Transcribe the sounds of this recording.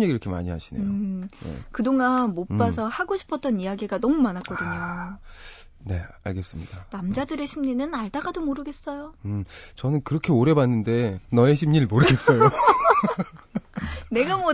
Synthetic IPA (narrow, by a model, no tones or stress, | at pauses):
ɲiɡiɾʌkʰema̰ɲiɦa̰ɕʰinḛjojḛkɯdoŋanmopp͈asʰʌhaɡoɕʰi̥pʰʌt͈ʌnijaɡiɡanʌmumanakk͈ʌdɯɲo | ne̞a̰ɭɡe̞s͈ɯmɲid̥anamd͡ʑadɯɾe̞ɕʰimɲinɯnaɭdaɡadomoɾɯɡe̞s͈ʌjoɯt͡ɕʌnɯnkɯɾʌkʰe̞oɾe̞banːɯnde̞nʌeɕʰimɲiɭmoɾɯɡe̞s͈ʌjo | ne̞ɡamwʌ